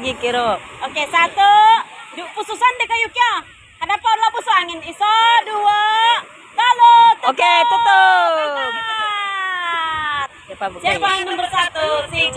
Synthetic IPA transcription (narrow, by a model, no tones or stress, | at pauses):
ɡikiɾookesat̪udupususandikajukia | hadapalabusoaŋɪnisodua | kalot̪oket̪ut̪ə | t̪̚apabusapanəmbərsat̪usi